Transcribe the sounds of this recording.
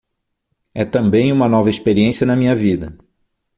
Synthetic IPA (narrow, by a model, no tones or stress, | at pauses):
ɛt̪ɐ̃mbẽj̃ũmɐnɔvɐespeɾiẽsiɐnɐmĩɲɐvid̪ɐ